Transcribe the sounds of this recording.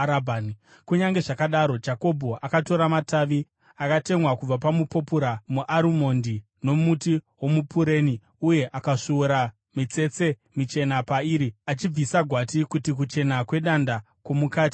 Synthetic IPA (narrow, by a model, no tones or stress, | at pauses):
ɾabʱani | kuɲaŋɡe̞ʐakaɗaɾo̞d͡ʒako̞bʱo̞ʔakato̞ɾamataːʋi | akate̞mwakub͡vapamupo̞puɾamuʔaɾumo̞ndi | no̞mutiwo̞mupuɾeːni | uje̞ʔakaʂuuɾa | mit͡se̞t͡se̞ | mit͡ʃe̞napaiːɾiat͡ʃib͡visaɡʱwatikutik̬ut͡ʃe̞nakwe̞ɗanda | kwo̞mukaːti̥